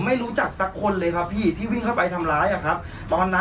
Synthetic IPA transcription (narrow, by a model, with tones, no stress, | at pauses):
ma˥˩jɾuː˦˥t͡ɕa˨˩k̚sa˦˥kʰːo˧nlɤː˧jkʰa˦˥pʰːiː˥˩t̪ʰiː˥˩wi˥˩ŋkʰa˥˩wpa˧jt̪ʰa˧mɾaː˦˥jʔa˨˩kʰa˦˥p̚ | t̪ɔː˧nːa˦